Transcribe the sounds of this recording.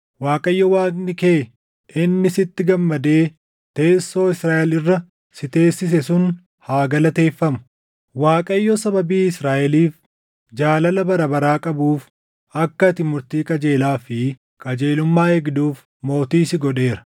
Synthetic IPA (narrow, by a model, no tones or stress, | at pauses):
waːkʼɐjːɔwaːknɪke̞ː | ɪnːɪsɪt̪ːɪɡɐmːɐd̪e̞ː | t̪e̞ːsːo̞ːɪsɾaːʔɛlɪrːɐ | sɪt̪e̞ːsːɪs̬ɛsʊn | haːɡɐlɐt̪e̞ːfːɐmʊ̥ | waːkʼɐjːɔsɐbɐbiːɪsɾaːʔɛliːf | d͡ʒaːlɐlɐbɐɾɐbɐɾaːkʼɐbuːf | ɐkːɐt̪ɪmʊɾt̪iːkʼɐd͡ʒeːlaːfɪ | kʼɐd͡ʒe̞ːlʊmːaːhɛɡd̪uːf | mo̞ːt̪iːsɪɡɔᶑe̞ːɾɐ̥